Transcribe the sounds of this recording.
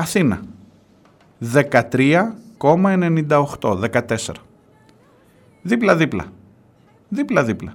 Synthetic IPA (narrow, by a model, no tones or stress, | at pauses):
ɐθinɐ̰ | ðe̞kɐt̪ɾiɐko̞mɐe̞ne̞nind̪ɐoxt̪o̞ðe̞kɐt̪e̞se̞̰ɾɐ | ðiplɐðiplɐ̰ | ðiplɐðiplɐ